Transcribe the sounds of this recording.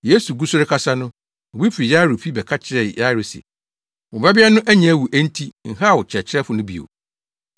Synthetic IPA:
je˦su˨ɡu˦sʊ˦ɾɪ˦kʰa˦sa˦nʊ̃˦ | ɔ˨bi˦fɪ˨ɾi˨ja˦ɾʊ˨fi˦bɛ˨kʰa˦t͡ɕʰɪ˨ɾɛ˨ja˦ɾʊ˨sɛ̰˨ | wʊ˨ba˦bɪ˦a˦nʊ̃˦ʔæ˦ɲã˨˦˨wu˨ʔæ˦n̩˦tʰi˦ŋ̩˨ɦa˦˨wʊ˨t͡ɕʰɛ˨t͡ɕʰɪ˦ɾɛ˦fʊ˨nʊ̃˦bi˨o̰˨

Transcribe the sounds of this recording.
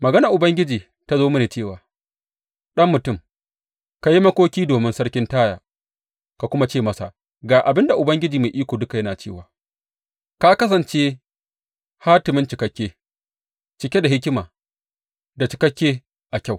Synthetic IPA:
mɐ˨ɡɐ˦na˨ʔʊ˨bɐ˦ŋɡʲɪ˦d͡ʒiː˨ | ta˦zoː˦mɪ˦neː˨t͡ʃeː˦˨waː˨ | ɗɐ˦mːʊ˨tʊ˦˨m | ka˨ji˦mɐ˦kʷoː˦kʲiː˦doː˨mɪ˦nsɐ˦rkʲɪ˦ntaː˦ja̰ː˨ | ka˨kʷʊ˦ma˦t͡ʃeː˦˨mɐ˦sa̰˨ | ɡaː˨ʔa˨bɪ˦nda˨ʔʊ˨bɐ˦ŋɡʲɪ˦d͡ʒiː˨ma˨ʔiː˦kʷoː˨dʊ˦ka˨jɐ˦naː˨t͡ʃeː˦˨waː˨ | ka˦kɐ˦s̬ɐ˨nt͡ʃe˦ | ha˦tɪ˨mɪ˦nt͡ʃɪ˨kɐ˦kʲːeː˦ | t͡ʃɪ˨kʲe˦da˨ɦɪ˦k̬ʲɪ˦maː˨ | da˨t͡ʃɪ˨kɐ˦kʲːeː˦ | ʔa˨kʲa˦˨w

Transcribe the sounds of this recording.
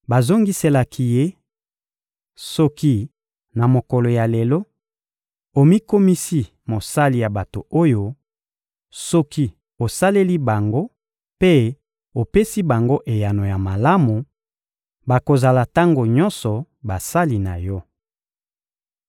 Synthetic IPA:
ba˨zo˦ŋɡi˦se˦la˨kʰi˨je˦ | sɔ˦ki˦ | na˨mo˨kɔ˨lo˨ja˨le˨lɔ˦ | o˨mi˦ko˦mi˦si˦ | mo˨sa˦li˨ja˨ba˨to˨o˦jo˦ | sɔ˦ki˦ | o˨sa˦le˦li˦ba˨ŋɡo˦ | pe˦ | o˨pe˦si˦ba˨ŋɡo˦ʔe˨ja˨no˨ja˨ma˨la˦mu˨ | ba˨ko˨za˨la˨ta˦ŋɡo˨ɲɔ̃˦nsɔ˨ | ba˨sa˦li˨na˨jɔ˦

